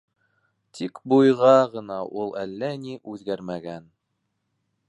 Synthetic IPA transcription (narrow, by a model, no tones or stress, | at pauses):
t̪ʰikbujʁɑʁɤ̆nɑʔulˠælːæniʔʉðɡæɾmæɡæn